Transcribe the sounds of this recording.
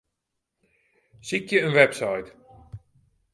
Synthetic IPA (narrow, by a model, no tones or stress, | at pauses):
sikjəənʋɛpsajt